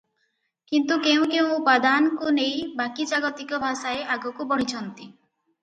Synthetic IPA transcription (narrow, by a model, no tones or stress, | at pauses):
kint̪ukeũkeũpad̪anɔkunejbakid͡ʒaɡɔt̪ikɔbʱaʃaeʔaɡɔkubɔɽ̤̃it͡ʃʰɔnt̪i